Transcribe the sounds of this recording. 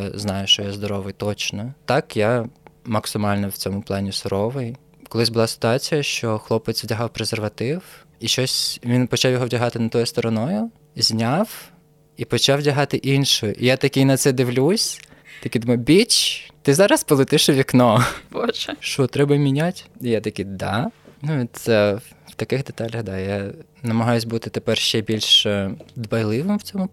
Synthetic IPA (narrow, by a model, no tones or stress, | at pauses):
znɑjʊʃt͡ʃɔjazd̪ɔɾɔʋɪjt̪ɔt͡ʃnɔt̪ɑkjamɐksɪmɑlʲnɐwt͡sʲɔmʊplˠɑnʲisʊɾɔʋɪj | kɔlˠɪzʲbʊlˠɑsɪ̥t̪ʊɑt͡sʲijɐʃt͡ʃɔxlˠɔpet͡sʲwʲdʲɐɦɑwpɾezerʋɐt̪ɪw | iʃt͡ʃɔsʲʋʲinpɔt͡ʃɑwjɔɦɔwdʲɐɦɑt̪ɪnɐt̪ɔjʊst̪ɔɾɔnɔjʊ | zʲnʲaw | ipɔt͡ʃɑwdʲɐɦɑt̪ɪʔinʃʊjʊʔijat̪ɐkʲinɐt̪sɛd̪ɪʋlʲusʲ | t̪ɐkʲid̪umɐjbʲit͡ʃt̪ɪzɑɾɐspɔlˠet̪ɪʃɪʋʲiknɔbɔʒɛʃɔt̪ɾɛbɐmʲinʲatʲijat̪ɐkʲid̪ɑnuʋʲit̪sɛ | w̥t̪ɐkɪxd̪et̪ɑlʲɐɣd̪ɑja | nɐmɐɦɑjʊsʲbut̪ɪt̪epɛrʃt͡ʃɛbʲilʲʃd̪bɐjlˠɪʋɪmwt͡sʲɔmʊ